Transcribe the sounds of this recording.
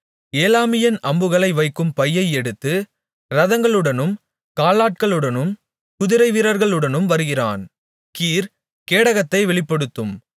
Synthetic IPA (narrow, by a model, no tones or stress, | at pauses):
eːlaːmɪjɐnʔɐmbɯɣɐɭɐɪʋɐɪkːɯmpɐjːɐɪɛɽɯt̪ːɯ | ɾɐðɐŋɡɐɭɯɽɐnɯm | kaːlaːʈ̚kɐɭɯɽɐnɯm | kʊðɪɾɐɪʋiɾɐɾɣɐɭɯɽɐnɯmʋɐɾɯɣɪra̰ːn | kiːɾ | keːɽɐɣɐt̪ːɐɪʋɛɭɪpːɐɽɯt̪ːɯm